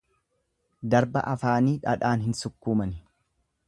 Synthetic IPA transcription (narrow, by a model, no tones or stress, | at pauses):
d̪ɐɾbɐ̰ʔɐfaːniːᶑɐᶑaːnɦɪnsʊkːuːmɐnɪ